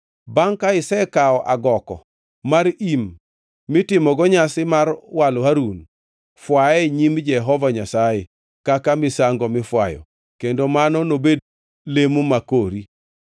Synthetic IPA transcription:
baŋkaɪsɛkaɔʔaɡɔkɔ̰ | maɾimː | ɪtɪmɔɡɔɲasɪmarwalhaɾun | fwaɛɲimd͡ʒɛɦɔvaɲasaje | kakamɪsaŋɡɔmɪfwa̰jɔ̰ | kendomanɔnobed | lemumakoɾi

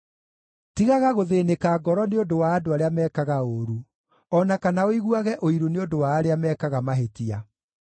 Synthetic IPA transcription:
tiɣaɣaɣoðeːnekaːɡɔɾɔneodowaːdoaɾeamɛːkaɣaoɾu | ɔnakanaoiɣwaɣɛʔoiɾuneodowaːɾeamɛːkaɣamaɦetia

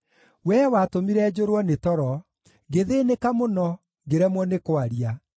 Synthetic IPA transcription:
wɛwatomiɾɛd͡ʑoɾwɔnetɔɾɔ | ɡeðeːnekamonɔ | ɡeɾɛmwɔnekoaɾia

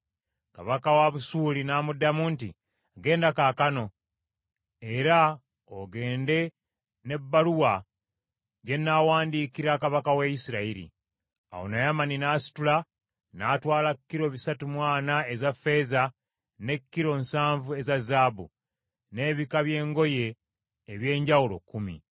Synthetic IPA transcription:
kaβakawaβusuːlinamudːamuntḭ | ɡe̞ːndakaːkano̞ | e̞ɾa | oɡe̞ːnde̞ | ne̞bːaluwa | ɟe̞nːawaːndiːkiɾakaβakawejisiɾaiɾḭ | a̰wo̞̰najamaninaːsi̥tula | naːtwaːlakːiɾo̞βisatumwaːnae̞zafe̞za | ne̞kːiɾo̞nsaːɱvue̞zazaːbṵ | ne̞ːβikaβje̞ːŋɡo̞je̞ː | βje̞ːɲɟawulo̞̰kːumḭ

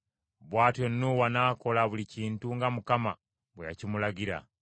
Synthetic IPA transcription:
βwaːtwenːuwanaːko̞laβuliciːntuŋɡamukama | βweja̰cimulaɡiɾa̰

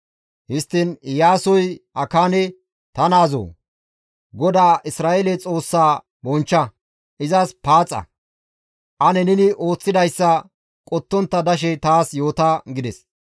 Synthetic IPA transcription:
hɪst̪ːɪnjaːsɔjɐkaːnɛ | t̪ɐnaːzo̰ː | ɡɔd̪aːʔɪsɾaːʔelɛt͡sʼo̞ːsːaː | bɔnt͡ʃːɐ | ʔɪzɐspaːt͡sʼːɐ̰ | ʔɐnɛnɪnɪʔo̞ːt͡sːɪd̪ɐjsːɐ | kʼɔt̪ːɔnt̪ːɐd̪ɐʃ̬ɛt̪aːsjo̞ːt̪aːɡɪd̪ɛs

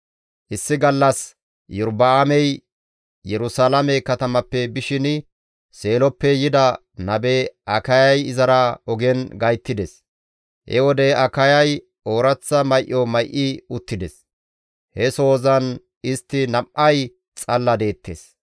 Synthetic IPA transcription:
ʔɪsːɪɡɐlːɐs | jʊɾbɐamɛj | jɛɾʊsaːlɐmɛkɐt̪ɐmɐpːɛbɪʃɪn | se̞ːlɔpːɛjɪd̪ɐ | nɐbeʔɐkɐjɐjɪzɐɾaɔɡɛnɡɐjt̪ːɪd̪ɛs | hɛ̰wɔd̪ɛɐkɐjɐj | o̞ːɾɐt͡sːɐmɐjʔːɔmɐjʔɪʊt̪ːɪd̪ɛs | hɛso̞ːzɐn | ɪst̪ːɪnɐmʔɐj | t͡sʼɐlːɐd̪e̞ːt̪ːḛs

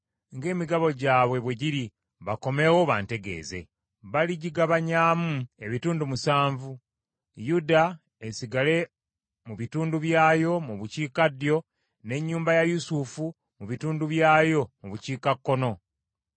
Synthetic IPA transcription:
ŋɡe̞ːmiɡaβo̞ɟaːβwe̞βwe̞ɟiɾi | βako̞me̞wo̞βa̰ːnte̞ɡe̞̰ːze̞̰ | βaliɟiɡaβaɲaːmue̞βituːndumusaːɱvu | juda | esiɡale̞ | muβituːnduβjaːjo̞muβuciːkadjo̞ | ne̞ɲːuːmbajajusufu | muβituːnduβjaːjo̞muβuciːkakːo̞no̞

